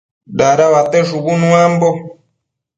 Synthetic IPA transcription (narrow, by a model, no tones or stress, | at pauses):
ɗaɾaβat̪ɛʂukunũambɔ